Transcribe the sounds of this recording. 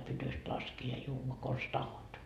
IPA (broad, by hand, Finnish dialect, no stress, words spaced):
pytyst lɑskiː jɑ juːʋɑ kons tɑhot